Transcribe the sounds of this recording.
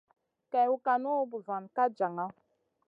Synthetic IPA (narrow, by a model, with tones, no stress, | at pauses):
kɛ˨˦u˦ka˨nu˦bu˨za˨nka˦d͡ʒa˨ŋa˦